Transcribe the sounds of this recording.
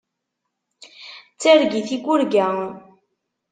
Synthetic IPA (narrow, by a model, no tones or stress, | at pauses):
t͡sːæɾɡiθiɡʷʊɾɡæ